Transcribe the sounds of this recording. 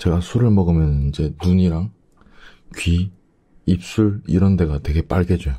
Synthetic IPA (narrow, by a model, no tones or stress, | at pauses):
t͡ɕe̞ɡasʰuɾɯɭmʌɡɯmjʌnid͡ʑe̞nuɲiɾaŋ | kɥiː | p̚s͈uɭḭɾʌnde̞ɡatwe̞ɡe̞p͈aɭɡe̞d͡ʑo